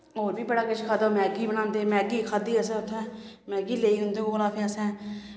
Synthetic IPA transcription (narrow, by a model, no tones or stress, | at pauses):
ɦoːɾbiːbəɽaːkəʃkʰaːd̪amɛ̃ːɡiːbəñãːnd̪eːmɛ̃ːɡiːkʰaːd̪iːəsɛ̃ːɦʊt̪ʰːɛ̃ː | mɛ̃ːɡiːleːiːɦʊ̃nd̪eːoːlãːpʰẽəsɛ̃ː